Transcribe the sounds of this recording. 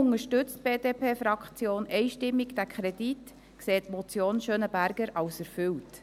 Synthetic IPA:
ʊŋəʃtʏt͡st̚b̥eːd̥eːpʰeːfɾɑkt͡sjoːnɛɪʃtɪmːiɡd̥ækʰχɾɛdit | kseːtmɔt͡sjoːnʃøːnəbæɾɡəɾɑwsæɾfʏwt

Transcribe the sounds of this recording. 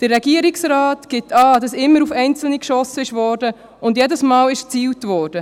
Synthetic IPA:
d̥əɾːɛɡiːəɾɪksɾaːtɡ̥ɪtɑːd̥ɑsɪmːəɾufɛɪnt͡sl̩nikʃɔsəɪʃvɔːɾd̥ə | ʊndjɛdəsmɑːlɪʃt͡siːltvɔːɾd̥ə

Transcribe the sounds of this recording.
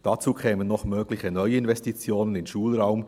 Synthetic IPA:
d̥at͡suːkʰɛːmənːɔχmøːɡlɪçənɔʏɪnvɛstit͡sjoːnənɪnʃuːlʁaʊm

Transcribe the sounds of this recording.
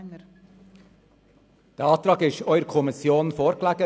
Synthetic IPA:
d̪̥eːɑːt̪ɾɑkɪʃœʏɾkʰʊmɪsɪuːn̩foːɾkʰlæːɡə

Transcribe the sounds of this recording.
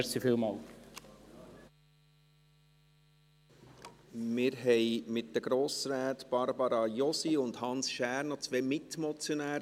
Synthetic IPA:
ɾsifilmɑːl | mɪːɾɦɛɪmɪt̚d̥əɡ̥ɾoːsɾæːtb̥ɑɾbɑɾɑjɔsiʊnd̪hɑnsʃæːɾnɔt͡sʋɛmɪtmɔt͡sjonæːɾ

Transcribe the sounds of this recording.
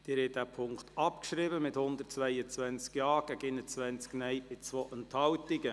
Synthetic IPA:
d̥̪ɪːɾhɛd̥æpʰʊŋkt̪ɑpkʃɾɪbəmɪthʊnd̪ət̚t͡sʋæjət͡sʋɛnt͡skjɑːɡ̥æɡɪnət͡sʋɛnt͡sknɛjb̥ɪt͡sʋoːʔənthɑwtɪɡə

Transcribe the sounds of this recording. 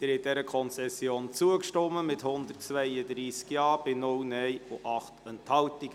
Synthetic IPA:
d̪̥ɪɾɛtdɛɾəkʰɔnt͡sɛsːjoːnt͡suəkʃtɔmːəmɪthʊnd̪ətt͡sʋɛjəd̪ɾiːskjɑːb̥ɪnʊlnɛjoʔɑχtənthɑltiɡ

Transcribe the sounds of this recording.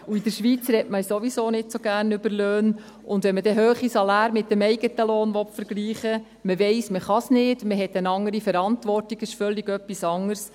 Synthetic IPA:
uid̥əɾʃʋiːt͡srɛtməsoʋisoːnɪtsoɡæːɾnʏbəɾløːn | ʊndʋɛnmədɛɦøːχisɑlɑːɾmɪt̚ːəmɛɪɡ̥ətəloːnʋɔtfəɾɡ̥liːχə | məʋɛɪsməχɑsnɪdməɦɛtənɑŋəɾifəɾɑntʋɔrtiɡɪʃfœlːɪɡœpːisɑŋəɾs

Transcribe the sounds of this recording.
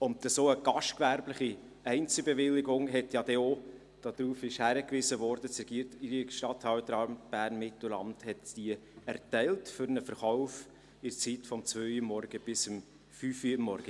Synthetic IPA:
ʊntəsoːəɡ̥ɑʃtkʋæɾbləχi | ɛɪnt͡səbevɪlːɪɡʊŋɦɛtjɑd̥ɛo | d̥ɑd̥̪ɾuːfɪʃhæɾəkʋɪsəvɔɾdət͡sɾɛɡ̥iːɾtiɾiʃtɑthɑwd̪əɾɑɾmtb̥æːɾnmɪtl̩lɑ̰mthɛtd̥iəæɾtɛɪltfʏɾnəfəɾχɔʊf | ɪɾt͡sitfɔmt͡svøːjəmːɔɾɡ̥əb̥ɪsəm | fyfimːɔɾɡ̥ə

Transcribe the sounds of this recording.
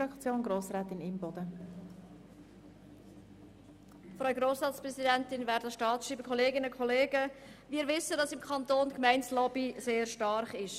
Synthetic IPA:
ɑkt͡sjoːnɡɾoːsɾɛːt̪ɪnɪmbɔd̪ə | fɾɑɡɾoːsɾɑːtspɾɛsidɛntɪnvæːɾdəʃtɑːtsʃiːbəkʰɔleːɡɪnəkʰχɔleːɡəʋɪːɾʋɪsədɑsɪmkʰχɑnt̪oːnkmɛɪnslɔbiseːɾʃtɑrχɪʃ

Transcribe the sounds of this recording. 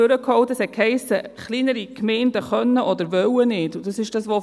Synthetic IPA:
øɾəkhɔʊtəshɛt̚khɛɪsəχlinəɾikmɛɪndəχœnːəʔɔd̪əɾʋœwənɪːdʊd̥ɑsɪʃd̥ɑsʋo

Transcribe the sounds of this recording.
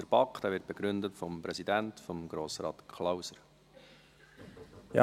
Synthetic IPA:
əɾbɑkχd̥æːvɪrt̚b̥eɡ̥ɾʏndətfɔmpɾɛzidæntfɔmɡ̥ɾoːsɾɑ̰ːtkʰlawsəɾ | jɑ̰

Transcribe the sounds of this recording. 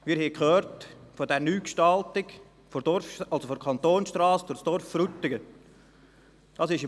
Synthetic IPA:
mɪːɾhɛkʰχøːɾtfodɛɾnyːkʃtɑltɪɡ | fodɔɾfɑlsofɔɾkʰɑnt̪oːnsʃtrɑːsd̥ʊɾsd̥ɔɾfɾut̪ːɪɡə | d̥ɑːsɪʃɪ

